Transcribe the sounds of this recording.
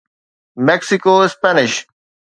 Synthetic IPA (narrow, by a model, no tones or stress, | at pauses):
meksikospɐniɕ